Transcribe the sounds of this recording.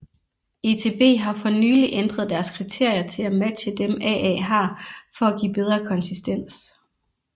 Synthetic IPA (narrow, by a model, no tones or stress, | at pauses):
e̝ːt͡sʰe̝ːb̥e̝̰ːɦɑ̈fɒ̽nyːliʔend̥ʁɐð̞̩ˠd̥æɐskʰʁit͡sʰe̝ɐ̰jɐt͡sʰe̝læmæd̥ɕəd̥emʔɛ̰ʔɛ̰ːɦɑ̈fɒ̽æɡ̥ḭːb̥eð̞ˠʁɐkʰɒ̽nsisd̥en̰s